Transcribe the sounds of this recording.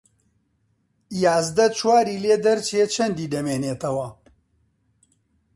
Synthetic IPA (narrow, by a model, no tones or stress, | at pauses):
jaːzd̪ɐt͡ʃʰwaːɾiːleːd̪ɐɾt͡ʃʰet͡ʃʰɐnd̪iːd̪ɐmeːneːt̪ɐwɐ